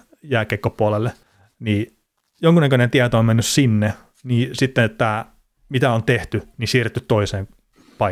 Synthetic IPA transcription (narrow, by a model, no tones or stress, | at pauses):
jæːkekːopuɑlelːe | niː | joŋkunækønent̪iæt̪oommenːyssinːe | niːsit̪ːeet̪ːæ | mit̪æont̪eht̪ynisiːret̪ːyt̪t̪oiseːm | pɑ